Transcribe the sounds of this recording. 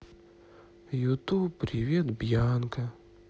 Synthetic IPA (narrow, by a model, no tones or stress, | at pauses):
jut̪upːɾʲɪvʲet̪bjankɐ